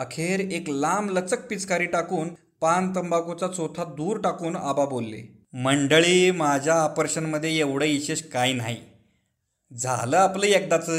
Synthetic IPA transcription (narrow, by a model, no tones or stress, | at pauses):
əkʰeɾeklamlət͡sək̚pit͡skaɾiːʈakuːn | pant̪̬əmbakut͡sat͡sot̪ʰad̪uːɾʈakuːna̰babolːḛ | məɳɖəɭiːmad͡ʑʱjaːpəɾɕənməd̪ʱːjeeʋɽəiɕeɕkainaɦi | d͡zʱa̰ləːapləek̚d̪at͡sə